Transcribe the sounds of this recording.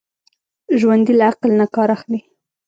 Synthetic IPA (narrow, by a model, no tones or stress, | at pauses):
ʒwand̪ilaaqlnakɑɾaxli